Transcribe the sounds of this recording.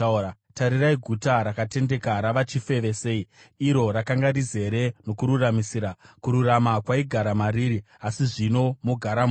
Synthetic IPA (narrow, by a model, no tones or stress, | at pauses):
taɾiraiɡʱutaɾakate̞nde̞kaɾaʋat͡ʃife̞ʋe̞se̞i | iɾo̞ɾakaŋɡarid͡ze̞ɾe̞no̞kuɾuramisiːɾakuɾuramakwaiɡʱaɾamariːɾi | asiʐino̞muɡʱaɾam